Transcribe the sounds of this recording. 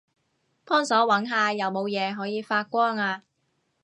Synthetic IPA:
pʰɔː˥ŋsɔː˨˥wɐ˨˥nɦaː˨˧jɐ˨˧wmo˨˧wjɛː˨˧ɦɔː˨˥jiː˨˧faː˧t̚kʷɔː˥ŋaː˧

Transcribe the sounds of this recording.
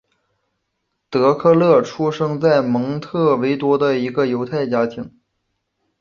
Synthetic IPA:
t̪ɤ˧˥kʰɤ˥˧lɤ˥˩ʈ͡ʂʰu˥ʂɤ˥ŋt͡sa˥˩ɪmɤ˧˥ŋt̪ʰɤ˥˩we˧˥ɪt̪wɔ˥d̪ə˧i˧˥ɡə˧jo˧˥ʊt̪ʰa˥˩ɪt͡ɕja˥t̪ʰi˧˥ŋ

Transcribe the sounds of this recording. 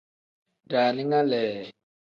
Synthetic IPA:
da˨ni˦ŋa˦lɛː˨

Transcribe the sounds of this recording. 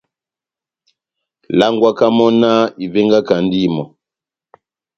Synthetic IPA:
la˦ŋɡwa˦ka˦mɔ˦na˦i˨vɛ˦ŋɡa˦ka˨n˦di˦˨mɔ˨

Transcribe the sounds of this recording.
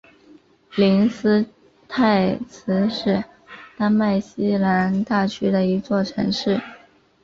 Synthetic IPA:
li˧˥nsɹ̩˥ | t̪ʰa˥˩ɪt͡sʰɹ̩˧˥ʂɻ̩˥˩ | t̪a˥nma˥˩ɪɕi˥la˧˥nt̪a˥˩t͡ɕʰy˥d̪ə˨i˧˥t͡swɔ˥˩ʈ͡ʂʰɤ̰˧˥ŋʂɻ̩˥˩

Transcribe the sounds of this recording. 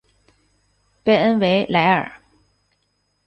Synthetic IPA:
pe˥˧ə˥nwe˧˥ɪla˧˥ɪə̰˞˨˩˦

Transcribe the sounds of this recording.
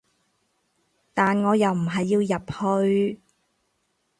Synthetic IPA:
t̪aː˨nŋɔː˨˧jɐ˨wm̩˨˩ɦɐ˨jːiː˧wjɐ˨p̚hɵ˧ɥ

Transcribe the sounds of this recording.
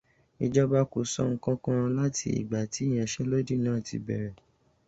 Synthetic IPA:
i˧d͡ʒɔ˦ba˦ko˨sɔ˦ŋ̩˦kã˦kã˦ɾ̃ã˧la˦tʰḭ˧˦ḭ˨ɡ͡ba˨ti˨˦˨j̃ɛ̃˧˨ʃɛ˦lo˦di˦˨nãː˦˨tḭ˧bɛ̰˨ɾɛ˨

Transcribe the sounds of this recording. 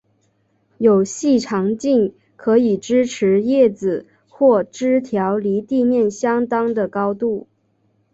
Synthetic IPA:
jo˨˩ʊɕi˥˩ʈ͡ʂʰɑ˧˥ŋt͡ɕi˥˩n | kʰɤ˧˥i˨˩ʈ͡ʂɻ̩˥ʈ͡ʂʰɻ̩˧˥jɛ˥˩d͡zɹ̩˨˩ | xwɔ˥˩ʈ͡ʂɻ̩˥t̪ʰjɑ˧˥ʊli˧˥t̪i˥˧mjɛ˥˩nɕjɑ˥ŋt̪ɑ˥ŋd̪ə˨kɑ˥ʊt̪u˥˩

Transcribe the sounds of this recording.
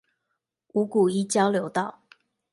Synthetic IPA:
u˧˥ku˨˩i˥t͡ɕjɑ˥ʊljo˧˥ʊt̪ɑ˥˩ʊ

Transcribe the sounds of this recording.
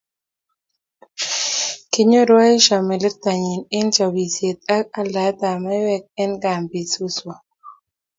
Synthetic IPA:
kɪ˦ɲo˦ɾwa˦i˦ʃa˨mɪ˨lɪ˦t̪a˨ɲi˨nɪ˦nt͡ʃa˨wi˨sje˨t̪̚a˦ka˦la˨˦t̪a˨mɛ˦wɛ˦k̚ɛ˦nɡa˨mbi˨su˦swa˨

